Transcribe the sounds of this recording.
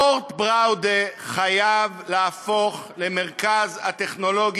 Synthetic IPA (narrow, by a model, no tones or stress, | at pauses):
oʁt̪bʁawd̪eχajavleafo̞χlemeʁkazhat̪eχno̞lo̞ɡ